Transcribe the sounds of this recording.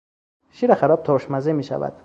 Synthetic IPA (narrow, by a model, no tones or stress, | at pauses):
ʃiɾaχaɾɔb̚t̪ʰɔʃmazemiʃa̰va̰d̪̥